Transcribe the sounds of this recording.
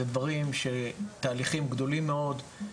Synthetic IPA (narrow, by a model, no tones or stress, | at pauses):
ed̪vaʁimʃet̪aːliχimɡd̪o̞limːeo̞d̪